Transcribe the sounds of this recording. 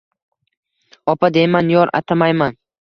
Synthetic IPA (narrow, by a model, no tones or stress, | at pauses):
ɒpʰad̪ejmanjɒɾa̰t̪ʰamajman